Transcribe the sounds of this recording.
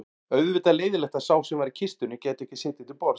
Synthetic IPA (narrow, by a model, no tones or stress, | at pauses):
œɥðvɪt̪aleːjðɪlɛht̪asaːwsɛmvaɾicʰɪst̪ʏnʏcɛːt̪ɪɛhcɪ̥sɪːt̪ɪt̪ɪlpɔɾ